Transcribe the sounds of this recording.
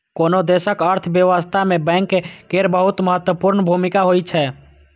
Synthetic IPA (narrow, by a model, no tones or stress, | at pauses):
konod̪esəkəɾt̪ʰbjəʋəst̪ʰamebɛ̃ŋkːekeɾbəɦut̪məɦət̪wəpuɾnbʱumikaɦojt͡ʃʰɛ